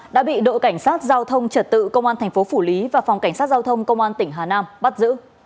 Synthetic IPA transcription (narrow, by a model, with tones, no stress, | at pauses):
ɗa̰ː˧˥ɓḭ˧˨ɗo̰˧˨ka˧˩jŋ̟saː˦˥t̚zaː˧wt̪ʰə˧wŋ͡mt͡ɕə˨˩t̚t̪ɨ̰˧˨kə˧wŋ͡mʔaː˧nt̪ʰɛ˨˩ŋ̟fo˨˦fu˧˩li˨˦vaː˨˩fɔ˨˩ŋ͡mka˧˩jŋ̟saː˦˥t̚zaː˧wt̪ʰə˧wŋ͡mkə˧wŋ͡mʔaː˧nt̪ï˧˩ŋ̟ɦaː˨˩naː˧mɓa˦˥t̚zɨ̰˧˥